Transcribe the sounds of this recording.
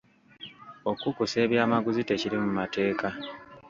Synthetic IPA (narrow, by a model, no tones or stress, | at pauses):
o̞kukuse̞ːβjaːmaɡuzite̞ciɾimumate̞ːka